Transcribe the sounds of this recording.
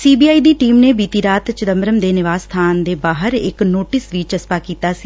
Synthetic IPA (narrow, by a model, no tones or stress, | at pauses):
siːbiːaːiːd̪iːʈiːmneːbiːt̪iːɾaːt̪t͡ʃəd̪əmbɾəmd̪eːnɪʋaːst̪ʰaːnd̪eːbaːɦəɾɪ̰knoːʈɪsʋit͡ʃəspaːkiːt̪aːsiː